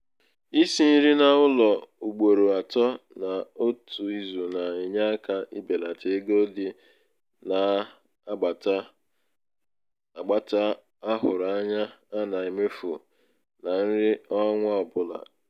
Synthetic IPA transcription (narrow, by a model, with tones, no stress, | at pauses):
i˦si˦ni˦ɾi˦na˨ʊ˦lɔ˨u˨ɡ͡bo˨ɾo˨a˨tɔ˦ | na˨o˦tʰu˨i˦zu˨na˨i˨ɲa˦a˦ka˦ʔi˦be˨la˨tʰe˨˦ɡo˦di˦ | na˨˦˨ | ɡ͡ba˨ta˦ | a˦ɦʊ˨ɾa˨˦ɲa˦a˦na˨i˨me˦fu˨ | na˨n̩˦ɾɪ˦ɔ˦ŋʷa˦ɔ˨bʊ˦la̰˨